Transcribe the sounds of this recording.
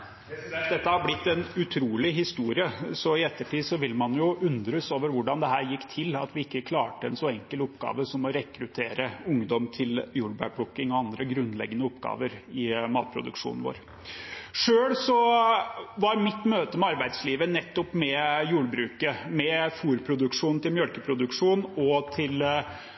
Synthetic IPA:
d̪ɛt̪ːəhɑɾblɪt̪ːɛnʉt̪ʰɾuːlɪɦɪst̪uːɾɪəsɔɪɛt̪ːəʈʰiːd̪sɔʋɪlmɑnjʊʉnd̪ɾəsoːʋəɾʋʊɖɑnd̪ɛɦæːɾjɪkːt̪ʰɪlɑt̪ʋɪɪkːəkʰlɑːʈəɛ̰nsɔɛŋkəlʊpːɡ̥ɑ̰ːʋəsɔmɔɾɛkɾʉt̪ʰeːɾəʊŋd̪ɔmt̪ʰɪljuːɽbæ̰bɽʊkːɪŋɔɑnd̪ɾəɡɾʉnːlɛ̰ɡːənəʊpɡɑ̰ːʋəɾɪmɑːt̪̚pʰɾʊ̰d̪ʉ̰kʂṵːnn̩ʋo̰ːɾ | ʂøːɽsɔ | ʋɑɾmɪt̪ːmøːt̪əmɛɑɾbæɪd̪sliːʋənɛt̪ːɔpmɛjuːɽbɾʉːkəmɛfuːɾpʰɾʊd̪ʉkʂuːnn̩t̪ɪlmjœlkəpʰɾʊd̪ʉkʂuːnɔt̪ʰɪl

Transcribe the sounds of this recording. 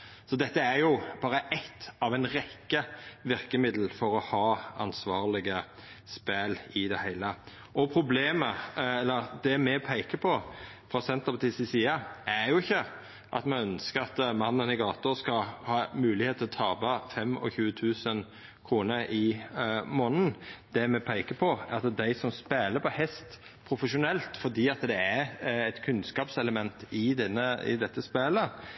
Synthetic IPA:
sɔd̪ɛt̪ːəæjʊb̥ɑːɾəʔɛt̪ːɑʋæɪnɾɛkːəʋɪɾkəmɪd̪l̩fɔɾɔhɑːɑ̰nsʋɑːʁlɪɡə | spælɪd̪ɛhæɪlə | ʔɔpʰɾʊbleːməɛlːəɾd̪ɛmɛpʰæɪkəpʰɔ | fʁɑsɛnt̪əpɑt̪isɪsiːɑæɾjʊɪçːə | ʔɑ̰t̪mɛœnskəɾɑt̪mɑnːənɪɡɑːt̪ʊɾskɑhɑːmʉːlɪheːt̪ʰɪlɔt̪ʰɑːbɑfɛmɔ̰çʉːət̪ʰʉːsən | kʰɾuːnəɾɪmoːnn̩d̪̥ɛmɛpʰæɪkəpʰɔæɑt̪d̪æɪsɔmspeːləpʰɔhɛst̪ | pʰɾʊfəʂʊnɛlt̪fɔd̪iːɑt̪d̪ɛæɾɛɪt̪kʰʉnskɑːpsɛləmɛnt̪ɪd̪ɛnːəɪ̰d̪ɛt̪ːəspeːlə

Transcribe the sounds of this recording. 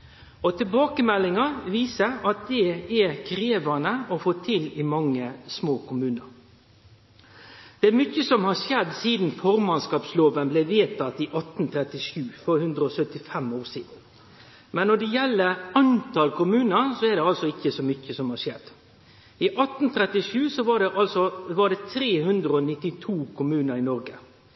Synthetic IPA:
ɔt̪ʰɪlbɑːkəmɛlːɪŋɑʋiːsəɾɑt̪̚d̪ɛɛɾkʰɾeːʋɑnəɔfoːt̪ʰɪlɪmɑŋːəsmoːkʰʊmʉːnəɾ | d̪̥ɛæɾmʏçəsɔmhɑɾʂɛd̪siːd̪n̩fɔɾmɑnskɑːpsloːʋənblɛʋeːt̪ɑt̪ɪʔɑt̪n̩t̪ʰɾɛt̪ɪʂʉːfɔɾhʉnd̪ɾəɔsœt̪ɪfɛmoːʂiːd̪n | mɛnːɔɖɛjɛlːəɑnt̪ɑlkʰʊmʉːnəɾsɔɛɖ̪ɛɑlsɔɪçːəsɔmʏçəsɔmhɑʂɛd̪ | ɪʔɑt̪n̩t̪ʰɾɛt̪ɪʂʉːsɔʋɑɖɛʔɑlsɔʋɑɖɛt̪ʰɾeːhʉnd̪ɾəɔnɪt̪ːɪt̪ʰuːkʰʊmʉːnəɾɪnɔɾɡə

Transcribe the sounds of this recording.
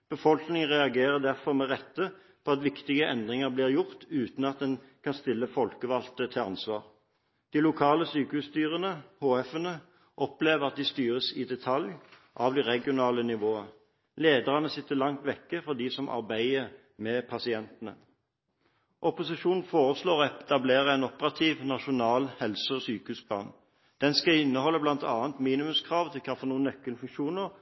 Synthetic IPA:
b̥əfɔlknɪŋəʁɛɑɡeːʁəd̪æʁfɔʁmɛʁɛt̪ːə | pʰoːɑt̪ʋɪkt̪ɪɡəʔɛnd̪ʁɪŋəʁbliːʁjʊʁt̪ʉːt̪n̩ɑt̪̚d̪ɛnkʰɑnst̪ɪlːəfɔlkəʋɑlt̪ət̪ʰɪlɑ̰nsʋɑːʁ | d̪̥ilʊkʰɑːləsyːkəhʉːst̪yːʁənəhoːɛfənə | ʔɔpleːʋəʁɑt̪̚d̪ɪst̪yːʁəsɪd̪ɛt̪ʰɑlj | ʔɑʋd̪ɛʁɛɡɪʊnɑːlənɪʋoːə | leːd̪əʁɑnəsɪt̪ːəlɑŋt̪ʋɛkːəfɔʁd̪iːsɔmʔɑ̰ʁbæɪə | mɛpʰɑsɪɛnt̪nə̰ | ʔɔpʊsɪʃuːnn̩foːʁəsloːʁɛt̪ɑbleːʁəæɪnɔpəʁɑt̪ʰiːʋnɑʃʊnɑːlhɛlsəɔsyːkəhʉːsbɑn | d̪̥ɛnskɑɪnːəhɔlːəblɑnt̪ʰɑːənt̪miːnɪmʉmskʰʁɑːʋt̪ʰɪlkʰɑfɔnuːnːœkːəlfʉŋkʃuːnəʁ

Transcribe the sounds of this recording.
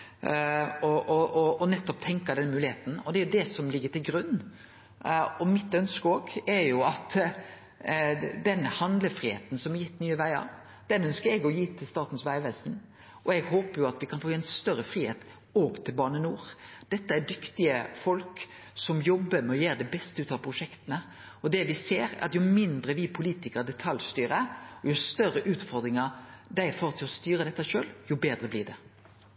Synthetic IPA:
ɔɔʔɔɔnɛt̪ːɔp̚t̪ʰɛŋkɑd̪ɛnːmʉːlɪheːt̪n̩ɔd̪ɛæɾjʊd̪ɛsɔmlɪɡːəʈ̪ɪlɡɾʉnː | ɔmɪt̪œnskəoːɡɛɾjʊɑt̪ | d̪ɛnhɑnd̪ləfɾihḛːt̪n̩sɔmɛɾjɪt̪ːnyːəʋæɪɑ̰ɾ | d̪ɛnœnskəɾɛɡɔjiːt̪ʰɪlst̪ɑːt̪n̩sʋæɪʋɛsn | ʔɔɛɡɦoːpəɾjʊɑt̪ʋɪkʰɑnfoːɛɪnst̪œɾəfɾiːhḛːt̪ | ɔɡt̪ʰɪlbɑːnənuːɾd̪̥ɛt̪ːəæɖʏkt̪ɪəfɔlk | sɔmjɔbːəmɛɔjeːɾd̪ɛbɛst̪əʉːt̪ɑʋpʰɾʊʂɛkt̪ənə | ɔd̪ɛʋɪseːɾæ̰ɑt̪jʊmɪnd̪ɾəʋɪpʰʊliːt̪ɪkəd̪ɛt̪ʰɑljst̪yːɾəɔjʊst̪œɾəʔʉːt̪fɔɾd̪ɾɪŋəɾd̪æɪfoːɾt̪ʰɪlɔst̪yːɾəd̪ɛt̪ːəʃøːljʊbeːd̪ɾəblɪd̪ɛ

